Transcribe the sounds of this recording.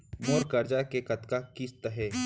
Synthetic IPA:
moːɾkɐɾd͡ʒakekɐt̪kakist̪əɦeː

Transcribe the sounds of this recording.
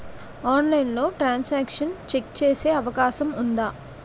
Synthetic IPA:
aːnlɐjnlo̞ːʈɾaːnsaːkʂɐnt͡ʃekt͡ʃeːse̞ːɐʋɐkaːʃɐmund̪aː

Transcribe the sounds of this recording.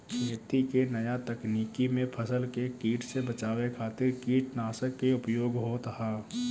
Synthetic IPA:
jət̪ikenɐjat̪ɐkniːkimẽpʰəsəlkekiːʈʰsebɐt͡ʃaːwekʰaːt̪ɪɾkiːʈnaːsəkːeʊpjoːɡɦot̪əɦaː

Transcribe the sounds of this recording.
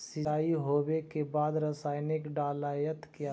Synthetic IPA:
sɪaːiɦoːbekebaːd̪ɾəsaːɪnɪkɖaːlaːjət̪kja

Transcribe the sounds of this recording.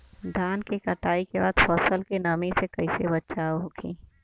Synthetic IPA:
d̪ʱaːnkekɐʈaːikeba̰ːd̪fɔːsəlkenɐmisekɐisebətːʃaːɦokʰḭ̃ː

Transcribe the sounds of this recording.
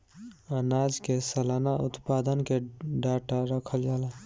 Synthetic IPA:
ənad͡ʒkesəlanaʔut̪pad̪ənkeɖaʈaɾəkʰəld͡ʒala

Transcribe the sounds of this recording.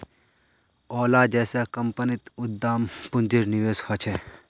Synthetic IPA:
ɔːlad͡ʒɛːsakɐmpənit̪ʊd̪ːaːmpʊnd͡ʒiɾniʋeːshɔt͡ʃʰɛ

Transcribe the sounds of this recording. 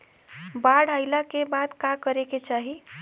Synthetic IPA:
baɽ̤ʱajlakebad̪kakəɾeket͡ʃaɦi

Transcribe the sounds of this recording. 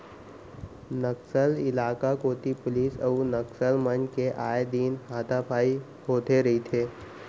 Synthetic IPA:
nəksəlɪlaːkakoːt̪ipʊliːsəunɐksəlmənd͡ʒkeʔaːjed̪iːnɦaːt̪apʰaːi | hoːt̪eɾɐɦit̪ʰeː

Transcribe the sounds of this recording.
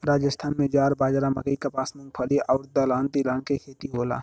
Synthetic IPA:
ɾaːd͡ʒəst̪ʰaːnmẽd͡ʒaːɾbaːd͡ʒɾamɐ̰ɡəikɐpaːsmʊ̃ŋɡpʰəliʔaːʊɾd̪alaːnt̪ilaːnkekʰeːt̪iɦoːla̰ː

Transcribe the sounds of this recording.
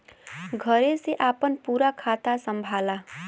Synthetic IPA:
ɡʱəɾeseʔaːpənpuːɾakʰat̪asəmbʱaːla

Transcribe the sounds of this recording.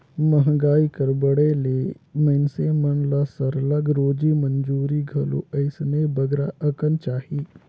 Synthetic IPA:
mɐɦɡaːikɐɾbəɽeleːməɪnsemənlaːsəɾləɡɾoːd͡ʒimənd͡ʒuːɾiɡʱɐlo̰ːəɪsnebɐɡɾaʔɐkənt͡ʃaːhiː

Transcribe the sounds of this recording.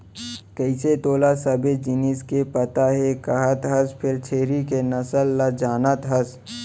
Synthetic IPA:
kəɪset̪oːlasɐbed͡ʒɪniskepɐt̪aɦɛkɐɦət̪ɦəspʰɪɾt͡ʃʰeːɾikenɐsəlːad͡ʒaːnət̪ɦəs

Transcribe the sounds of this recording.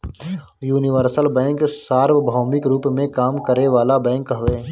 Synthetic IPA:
juːnɪʋəɾsəlbɛ̃ːŋksaːɾʋbʱɔːmɪkɾuːpmẽkaːmkəɾeʋaːlabɛ̃ːŋkɦɐʋeː

